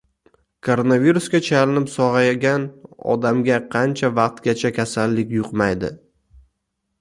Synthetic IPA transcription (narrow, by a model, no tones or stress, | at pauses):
kʰo̞ɾonaviɾuskʲat͡ʃʰalɪnɪpsɒʁɑjaɡʲanɒ̰d̪amɡʲaqʰɑnt͡ʃʰavɑq̚t̪ɡʲat͡ʃʰakʲʰasalːɪkʲjʊqmajd̪ɪ̰